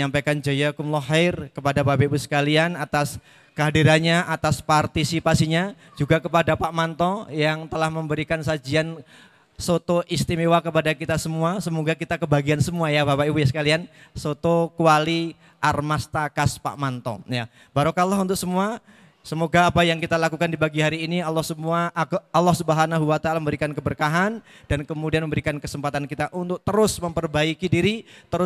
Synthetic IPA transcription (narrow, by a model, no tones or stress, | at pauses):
ɲampajkand͡ʒajakʊmlɔɦaɪrkəpadapapaibusə̥kalianat̪as | kəɦadiɾaɲaʔat̪aspart̪isipasiɲa | d͡ʒuɡakəpadapamant̪ɔjaŋt̪əlahməmbəɾikansad͡ʒian | sot̪oʔist̪imewakəpadakit̪asəmuasəmoɡakit̪akəbaɡiansəmuajabapaibujasə̥kaliansot̪okuali | ʔarmast̪akaspa̰ʔmant̪ɔ̰ja | baɾokalːaɦunt̪ʊk̚səmua | səmoɡaːpajaŋkit̪alakukandibaɡiɦaɾiːnialːɔhsəmuaʔːlːɔhsubəɦanaɦuwat̪aalaməmbəɾikankəbərkaɦandankəmudianməmbəɾikankəsəmpat̪ankit̪aʔunt̪ʊk̚t̪əɾʊsməmpərbaikidiɾit̪əɾʊ